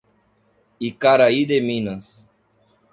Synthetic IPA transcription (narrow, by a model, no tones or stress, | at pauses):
ikaɾaid̪emĩnɐs